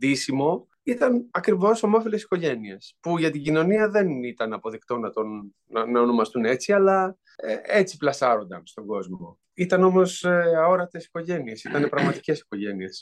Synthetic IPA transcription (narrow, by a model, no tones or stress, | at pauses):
d̪isimo̞ | it̪ɐnɐkɾivo̞somo̞filesi̥ko̞ʝe̞nie̞spuʝɐt̪iɟino̞niɐðe̞nit̪ɐnɐpoðikt̪o̞nɐt̪on | nɐono̞mɐst̪une̞t͡siɐlɐ | e̞t͡siplɐsɐɾo̞nd̪ɐnst̪o̞ɡo̞zmo̞ | it̪ɐno̞mo̞so̞ɾɐt̪e̞si̥ko̞ʝe̞nie̞sit̪ɐne̞pɾɐɣmɐt̪i̥ce̞si̥ko̞ʝe̞nie̞s